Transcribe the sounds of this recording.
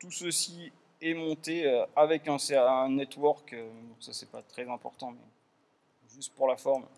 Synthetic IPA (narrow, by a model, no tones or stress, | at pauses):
t̪usəsi | ɛmɔ̃t̪eøavɛkɛ̃sɛɛ̃nɛt̪wɔʁkømɛmd̪ɔ̃sasɛpat̪χɛzɛ̃pɔʁt̪ɑ̃mɛ̰ | ʒyst̪̚puʁlafɔʁm